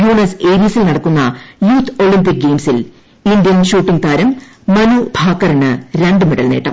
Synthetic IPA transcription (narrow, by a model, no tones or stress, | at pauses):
juːnɐseːɾijɐsilnɐɽɐkːunːɐjuːt̪ʰːo̞ɭimpik̚ɡe̞ːmsil | ind̪jɐnɕuːʈːiŋɡt̪ʰaːɾɐmː | ɐnubʱaːkːɐrɐɳɨɾe̞ɳɖɨmeɽɐlneːʈːɐ̰m